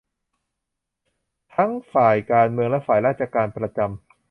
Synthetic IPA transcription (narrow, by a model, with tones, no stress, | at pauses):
t̪ʰa˦˥ŋfaː˨˩jkaː˧nmɯ˧əŋlɛ˦˥faː˨˩jɾaː˥˩t̪̚t͡ɕa˧kaː˧npɾa˧t͡ɕa˧m